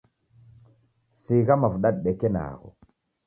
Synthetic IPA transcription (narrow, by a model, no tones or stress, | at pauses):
siɣamavuɗaɗ̚ɗekena̰ːɣo̰